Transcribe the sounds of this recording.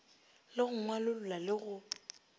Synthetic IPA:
lɪɣʊŋwalʊlʊlalɪɣʊ

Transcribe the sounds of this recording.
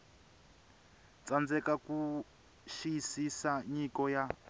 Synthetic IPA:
t͡sand͡zɛkaku | ʃijisisaɲikɔja

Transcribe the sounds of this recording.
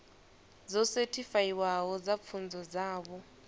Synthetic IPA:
d͡zɔsetʰifajiwaɦɔd͡zap̪fʰund͡zɔd͡zaːβɔ

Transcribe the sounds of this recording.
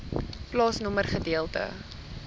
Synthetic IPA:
plɑːsnɔmərχədiəlˠtə̰

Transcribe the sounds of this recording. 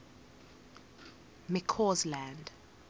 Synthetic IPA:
mɛkʰɔzlãnd

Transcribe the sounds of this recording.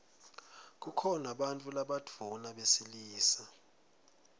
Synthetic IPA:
k̬ukʰɔnaɓantʼulaɓad̥ʱunaɓesiliːsa

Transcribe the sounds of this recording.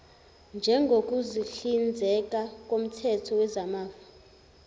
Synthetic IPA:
nd͡ʒʱɛŋɡʱok̬ʼuziɬind͡zʱɛk̬ʼak̬ʼom̩tʰɛtʰɔwɛzamaːva

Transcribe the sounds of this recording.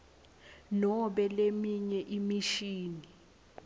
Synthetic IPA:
nɔɓɛlemiɲɛʔimiʃiːni

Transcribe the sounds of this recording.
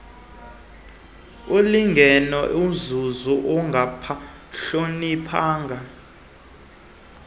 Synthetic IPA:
oliŋɡʱɛnɔʔuzuzuʔɔŋɡʱapʰa | ɬonipʰaːŋɡʱa

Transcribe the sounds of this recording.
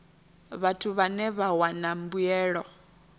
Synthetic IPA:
βatʰuβanɛβawanambujɛːɺɔ

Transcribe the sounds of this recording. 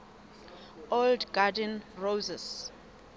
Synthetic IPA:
oldɡadɛnrozɛs

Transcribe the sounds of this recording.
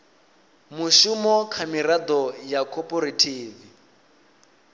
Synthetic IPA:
muʃumɔkʰamiɾad̪ɔjakʰɔpʼɔɾetʰiːvi

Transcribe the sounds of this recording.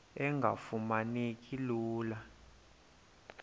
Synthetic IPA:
ɛŋɡʱa̰fumanik̬ʼiluːla

